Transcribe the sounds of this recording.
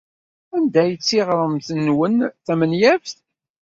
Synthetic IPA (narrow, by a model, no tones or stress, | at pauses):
ænd̪æjət͡sːiʁɾˤəmθənːwənθæmənjævθ